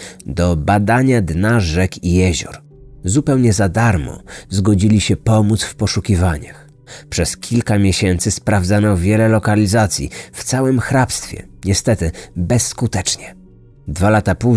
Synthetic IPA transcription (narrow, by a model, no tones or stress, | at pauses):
d̪ɔbad̪aɲad̪naʐɛkijɛʑɔ̰ɾ | zupɛwɲɛzad̪aɾmɔ̰zɡɔd͡ʑilʲiɕɛpɔmut̪sfpɔʂukʲivaɲa̰x | pʂɛskʲʰilkamʲjeɕɛnt̪sɘspɾavd̪zanɔvʲjɛlɛlɔkalʲizat̪sʲjḭft̪sawɘmxɾapst̪fʲjɛ̰ɲɛst̪ɛt̪ɘbɛsːkut̪ɛt͡ʂɲɛ | d̪valat̪apu